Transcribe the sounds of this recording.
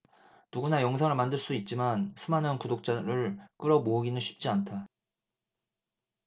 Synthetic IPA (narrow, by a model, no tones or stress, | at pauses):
nuɡunajʌŋsʰaŋɯɭmandɯɭs͈uit̚t͡ɕ͈imansʰumanɯnkudok̚t͡ɕ͈aɾɯɭk͈ɯɾʌmoɯɡinɯnɕʰi̥p̚t͡ɕ͈iantʰa